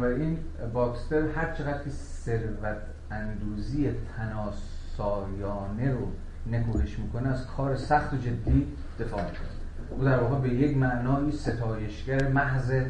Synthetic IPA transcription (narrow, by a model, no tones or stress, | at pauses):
bæɾiːnbɒːkst̪eɾhæɾt͡ʃʰe̞ɣæd̪̥kʰeseɾvæt̪ʰ | ænd̪uːziːjet̪ʰænɒːsɒːjɒːne̞ɾo | ne̞kuːheʃmiːkʰo̞neæzkʰɒːɾe̞sæxt̪od͡ʒe̞d̪ːiː | d̪̥e̞fɒːmikʰone | ʔuːd̪æɾvɒːɣebeje̞kmæʔnɒːiːse̞t̪ʰɒːje̞ʃɡæɾemæɦze